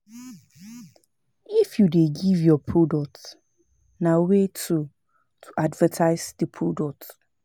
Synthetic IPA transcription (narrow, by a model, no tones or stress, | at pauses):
ifjudeɡivjɔpʰɹodɔk̚t | nawetʰu | tʰuʔadvətʰaɪsd̥ipʰɹodɔk̚t